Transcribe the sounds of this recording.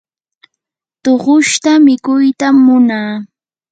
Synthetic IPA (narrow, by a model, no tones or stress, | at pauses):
t̪oɢʊʃt̪amɪkʊjt̪amːʊnaː